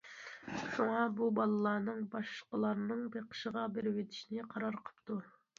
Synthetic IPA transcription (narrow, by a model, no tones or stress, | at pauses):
ʃuŋɑbubɑlˠɨlˠɑɾnɨŋbɑʃlˠəqəlˠɑɾnɨŋbeqʰə̥ʃəʁɑbeɾɪwet̪ʰi̥ʃinɪqʰɑɾɑɾqʰə̥pt̪u